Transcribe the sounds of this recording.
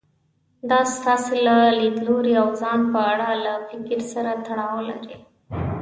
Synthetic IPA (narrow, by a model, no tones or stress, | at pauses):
d̪ɑst̪ɑselaled̪loɾiawzɑnpəaɽalafɪkɪɾsaɾat̪aɽɑwla̰ɾi